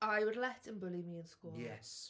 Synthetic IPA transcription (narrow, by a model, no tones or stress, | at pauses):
ʔaɪwədˡlɛtə̃nbʊlimiə̃nskɔːjɛ̰s